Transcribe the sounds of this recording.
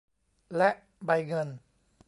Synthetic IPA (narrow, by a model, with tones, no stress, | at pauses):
lɛ˦˥ʔ | ba˧jŋɤ˧n